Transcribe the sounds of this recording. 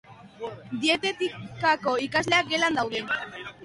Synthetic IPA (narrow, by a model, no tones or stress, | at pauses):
d̪ie̞t̪e̞t̪ikako̞ikazle̞ak̚ɡe̞land̪awðe̞